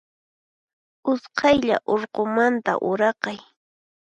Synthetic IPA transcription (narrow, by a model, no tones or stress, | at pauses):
ʊsqɑjʎa̰ʔoɾqomant̪a̰ʔʊɾɑqɑj